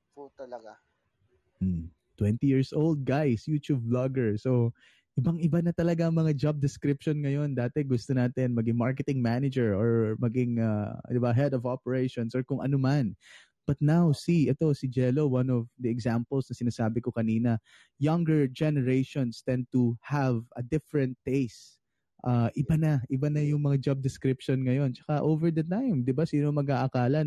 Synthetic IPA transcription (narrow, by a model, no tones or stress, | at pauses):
put̪ɐlɐɡa | t̪wɛ̃nt̪ijiɹsʔold̪̚ɡajsjuːt͡ʃub̚laɡɛɹso | ʔɪbɐŋʔɪbanɐt̪ɐlɐɡaŋmɐŋad͡ʒab̚d̪ɛskɾɪpʃonŋɐjo̞nd̪aːt̪ɛɡʊst̪onaːt̪ɪnmɐɡɪŋmaɹkɛt̪ɪŋmanɪd͡ʒɛɹʔɔɹmɐɡɪŋad̪ɪbaɦɛd̪ɔvopɛɹejʃõnsɔɹkʊŋʔɐ̰noman | b̥ɐt̪̚nawsiʔɛt̪osɪd͡ʒɛlowanɔvd̪ɐɛɡsampɛlsnɐsɪnaːsaːbɪkokɐniːnɐ | jɐ̃ŋɡɛɹd͡ʒɛnɛɹejʃonst̪ɛ̃n̚t̪uhavʔɐd̪ɪfɛɹɛ̃nt̪̚ːejs | ʔaːʔɪbanɐʔɪbanɐjʊŋmɐŋad͡ʒab̚d̪ɪskɾɪpʃonŋɐjo̞nt͡ʃɐ̥kaʔovɛɹd̪ɐt̪ajmd̪ɪbasiːnomɐɡaːʔɐkaːlɐ